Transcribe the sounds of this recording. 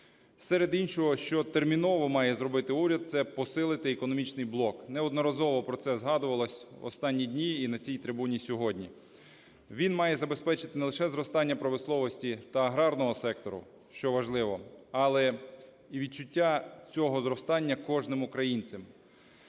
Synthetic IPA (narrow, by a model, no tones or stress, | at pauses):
sɛɾed̪inʲʃɔɦɔʃt͡ʃɔt̪ermʲinɔʋɔmɑjɛzɾɔbɪt̪ɪuɾʲɐd̪̚t̪sɛpɔsɪlˠɪt̪ɪekɔnɔmʲit͡ʃnɪjblˠɔknɛɔd̪nɔɾɐzɔʋɔpɾɔsɛzɦɑd̪ʊʋɐlˠɔsʲɔ̰st̪ɑnʲːidʲnʲiːnɐt͡sʲijt̪ɾɪbunʲisʲɔɦɔdʲnʲi | ʋʲinmɑjɛzɐbe̞spɛt͡ʃɪt̪ɪnelˠɪʃɛzɾɔst̪ɑnʲːɐpɾɐʋɪslˠɔʋɔsʲtʲit̪ɐːɦɾɑrnɔɦɔsɛk̚t̪ɔɾʊ̰ | ʃt͡ʃɔʋɐʒlˠɪʋɔɑlˠɛ | iʋʲid̪̚t͡ʃʊtʲːat͡sʲɔɦɔzɾɔst̪ɑnʲːɐkɔʒnɪmʊkɾɐjinʲt͡sʲɪm